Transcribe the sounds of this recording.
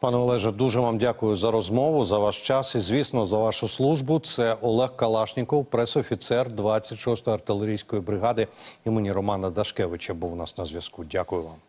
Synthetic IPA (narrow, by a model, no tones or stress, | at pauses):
pɑnɛɔlˠɛʒɐd̪uʒɛʋɑmdʲakʊjʊzɐɾɔzmɔʋʊzɐʋɑʃt͡ʃɑsizʲʋʲisnɔzɐʋɑʃʊslˠuʒbʊt̪sɛɔlˠɛxkɐlˠɑʃnʲikɔwpɾɛsɔfʲit̪sɛrd̪ʋɑt͡sʲːɐtʲʃɔst̪ɔjɐrt̪ɪlˠeɾʲijsʲkɔjibɾɪɦɑd̪ɪimɪnʲiɾɔmɑnɐd̪ɐʃkɛʋɪt͡ʃɐbuwnɑsnɐzʲʋʲjɐskudʲakʊjʊʋɑm